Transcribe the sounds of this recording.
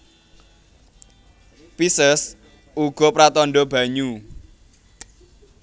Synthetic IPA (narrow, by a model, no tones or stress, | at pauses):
pisəs | uɡ̥ɔ̤pɾat̪ɔnɖɔb̥ä̤ɲu